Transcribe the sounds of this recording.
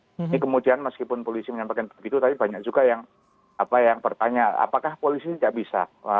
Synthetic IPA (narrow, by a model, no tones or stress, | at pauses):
nikəmudianməskipʊnpolisiməɲampakanpɡit̪ut̪adibaɲak̚d͡ʒuɡajaŋ | apajaŋpərt̪aɲaa̰pakahpolisit̪idaʔbisa̰a